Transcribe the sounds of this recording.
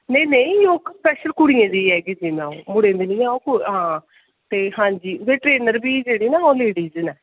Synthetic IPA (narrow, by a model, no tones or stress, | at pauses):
nẽnẽĩjoːkspɛːʃəlkʊɽijẽːd̪iːɛːɡed͡ʒimãːõmʊɽẽːnd̪elijãõkuɦãː | t̪eːhãːɲd͡ʒiːʋeːʈɾeːnəɾbiːd͡ʒeːɽiːnaːõːleːɖiːzənɛ